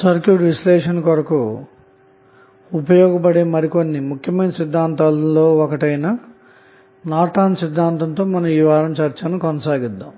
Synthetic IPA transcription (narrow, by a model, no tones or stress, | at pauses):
sɐɾkjuːɖʋislɛːʂɐnkɐɾɐku | upɐjɔːɡɐpɐɽemɐɾiko̞nːimukʰjɐmɐjnɐsid̪ʱːaːnt̪aːllːoːɔkɐʈɐjnɐ | naːʈaːnsid̪ʱːaːnt̪ɐnt̪o̞ːmɐnɐmiːʋaːɾɐmt͡ʃɐɾt͡ʃɐnukɔnɐsaːɡid̪ːa̰ːm